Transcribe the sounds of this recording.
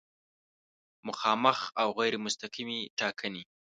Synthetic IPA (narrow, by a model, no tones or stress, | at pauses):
mʊxɑməxawɣajɾemʊst̪aqimeʈɑkʰəni